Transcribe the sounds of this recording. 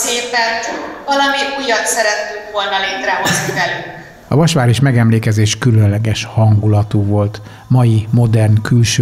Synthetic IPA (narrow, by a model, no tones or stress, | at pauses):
seːpɛnvɒlɒmiujɒnsɛɾɛt̪ːyŋkʋo̞lnɒleːt̪rɛɦo̞znivɛlyŋk | ɒ̰vɒʃʋaːɾiʃmɛɡɛmleːkɛzeːʃkylønlɛɡɛʃhɒŋɡulɒt̪uːvo̞lt̪ | mɒjimo̞d̪ɛrnkylʃø